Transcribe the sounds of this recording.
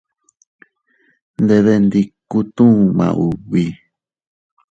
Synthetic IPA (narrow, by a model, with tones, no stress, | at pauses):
nd̪e˧ðe˧nd̪i˧ku˦t̪ũ˦˨mã̰˨ʔu˨βi˧